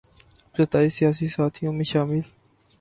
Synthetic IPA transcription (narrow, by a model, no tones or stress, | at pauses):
zɐt̪aːisijaːsisaːt̪ʰijõmẽʃaːmɪl